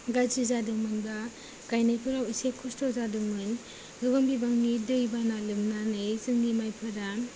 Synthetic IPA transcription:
ɡazizadɯŋmɯnbɐ | kajnajpʰuɾawisekʰustɔzadɯŋmɯn | ɡuɡambibaŋnidɯjbanalɯmnanɯjsɯŋnimajpʰɯɾa

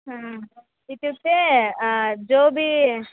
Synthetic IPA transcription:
ɦã | it̪ut̪ːe | d͡ʒoːbʱi

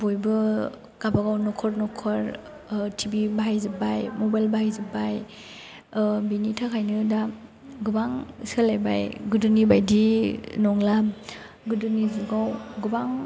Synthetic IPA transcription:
bojbɯ | ɡabaɡawnɔkʰɔɾnɔkʰɔɾ | tʰibibaajzɯbajmɔbajlbaajzɯbaj | binitʰakʰajnɯda | ɡubaŋsɯlajba̰jɡudunibajdinɔŋla | ɡɯdunizɯɡawɡubaŋ

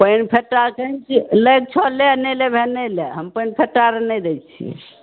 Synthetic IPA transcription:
pənpʰeʈːakəɦnkiləjk̚t͡ʃʰɔlenelebʱeneleɦəmpəjnpʰeʈːaɾenɛjd̪ɛt͡ʃʰḭ

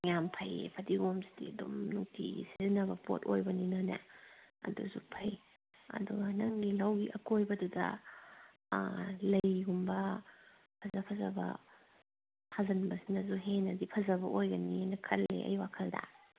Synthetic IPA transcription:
jampʰɐjḛpʰɐdiɡomsi̥diɐdumnuŋtʰiisizinɐbɐpo̰tojbɐninanɐ̰ɐ̰duzupʰɐj | ɐ̰duɡɐnɐŋɡilɐwɡiʔɐkojbɐdudɐ̰ | lɐjɦumbɐ | pʰɐnɐpʰɐzɐbɐ̰ | pʰazɐnbɐsinɐzuɦenɐdipʰɐzɐbɐʔojɡɐninɐkʰɐlḛʔɐ̰jwakʰɐldɐ̰

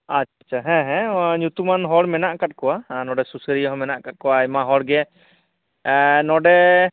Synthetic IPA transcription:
aat͡ʃʰaɦɛ̃ɦɛ̃ɲut̪umanɦɔɽmɛnaʔkat̪̚kɔwanɔɖɛsusəɾiɔɦɔ̃mɛnaʔkat̚ˀkɔwajmaɦɔɽɡɛ | nɔɖɛ

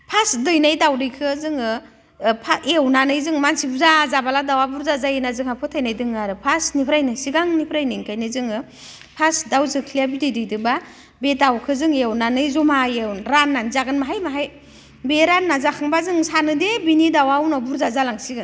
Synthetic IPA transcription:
pʰasdɯjnajdawdɯjkʰɯzɯŋɯ | pʰaewnanɯjzɯŋmansibuzazabaladawabuɾzazajenazɯŋhapʰɯtʰajnajdɯŋaɾɯpʰasnipʰɾajnɯsiɡaŋnipʰɾajnɯŋkʰajnɯzɯŋɯ | pʰasdawzɯkʰlijabidɯjdɯjdɯba | bedawkʰɯzɯŋewnanɯjzɔmaewɾanːanzaɡɯnmaɦajmaɦaj | beɾanːazakʰɯŋbazɯŋsanɯdebinidawawnɔbuɾzazalaŋsiɡɯn

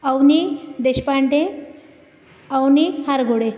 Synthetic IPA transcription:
awnid̪eɕpaɳʈẽ | awnihaɾɡʱoɽe

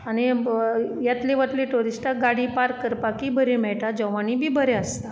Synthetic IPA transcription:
añi | jat̪leʋəʈ̪leʈuɾisʈaɡaɽiːpaɾkːəɾpakiːbʱəɾemɛɭʈad͡ʑəʋanibʱiːbʱəɾeəst̪a

